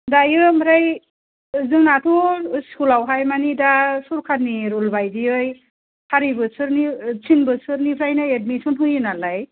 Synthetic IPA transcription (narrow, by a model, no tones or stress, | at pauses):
dajɯmɾaj | zɯŋnatʰuskʰulawɦajmanidasuɾkʰanːiɾulbajdiɯj | haɾibɯsʰɯɾnit͡ʃʰinbɯsɯɾnipʰɾajnaet̚misunɦujɯnalaj